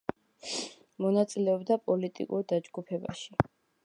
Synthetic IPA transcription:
mɔnat̪sʼilɛɔbd̪apʼɔlit̪ʼḭkʼuɾd̪ad͡ʒɡupʰɛba̰ʃi

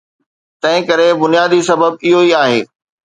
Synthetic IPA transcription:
t̪ɐ̃ɦɪ̃kɐɾebʊnjaːd̪isɐbəbɪɦoiaːɦeː

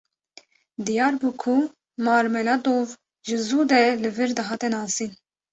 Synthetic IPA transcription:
d̪ijɑːɾbuːkʰu | mɑːɾmɛlɑd̪oːv | ʒɨzuːd̪ɛlɨvɨɾd̪ɨɦɑːt̪ɛnɑːsiːn

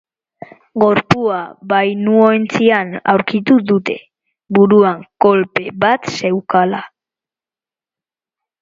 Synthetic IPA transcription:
ɡo̞ɾpuaβajnuoent͡siana̰wɾkit̪uðut̪e̞ | βuɾuaŋko̞lpe̞βat̪se̞wkala

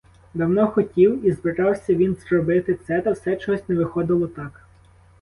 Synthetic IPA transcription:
d̪ɐwnɔxɔtʲiwizbɪɾɑwsʲɐʋʲinzrɔbɪt̪ɪt̪sɛt̪ɐwsɛt͡ʃɔɦɔsʲnɛʋɪxɔd̪ɪlˠɔt̪ɑk

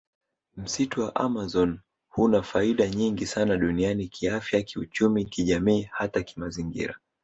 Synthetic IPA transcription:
m̩situwaʔamazɔn | hunafaiɗaɲiŋɡisanaɗunianikʰiafjakiut͡ʃumikiʄamiːhataki̥maziŋɡḭɾa̰

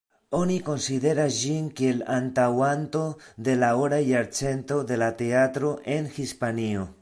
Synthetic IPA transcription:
o̞niko̞nside̞ɾasd͡ʒinkielantawant̪o̞d̪e̞laoɾajaɾt͡se̞nt̪o̞d̪e̞lat̪e̞at̪ɾo̞ʔe̞nhispanio

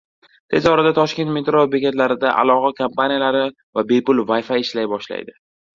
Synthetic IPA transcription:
t̪ʰe̞zɒɾad̪at̪ʰɒʃkʲe̞nt̪met̪ɾobekʲet̪laɾɪd̪aʔa̰lˠɒqakʰampanijalaɾɪ | vabe̞pʊlˠvajfaɪʃlajbɒʃla̰jd̪ɪ

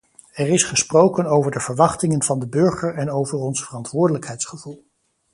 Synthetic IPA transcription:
ɛɹɪsχəsprowkənowvəɹdəv̥əɹʋɑχtɪŋənv̥ɑndəbɵɹχəɹɛnowvəɹɔnsfərɑntʋʊːɹdələkɦɛjtsχəv̥ulˠ

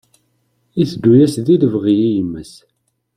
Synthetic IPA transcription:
iθd̪ːujæsðiləvʁijijəmːəs

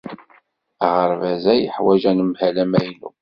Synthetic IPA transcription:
ʁəɾˤvæzæjəħwæʒænəmhælæmæjnṵ

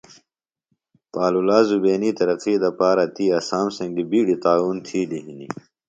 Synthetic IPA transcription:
paːlulaːzubeːniːt̪ɐɾɐqiːd̪ɐpaːɾɐt̪iːɐsaːmsɐ̃ŋɡd̪ibiːɽit̪aːuːnt̪ʰiːd̪iɦini

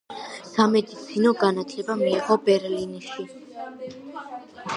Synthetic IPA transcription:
samɛd̪it̪sʰinɔɡanat̪ʰlɛbamiːʁɔbɛɾliniʃi

